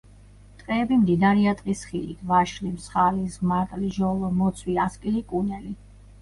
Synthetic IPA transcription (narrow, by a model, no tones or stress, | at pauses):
t̪ʼqʼɛːbimd̪id̪aɾiat̪ʼqʼisχilḭt̪ʰvaʃlimsχalismaɾt̪ʼliʒɔlˠɔmɔt̪sʰwiaskʼilikʼunɛli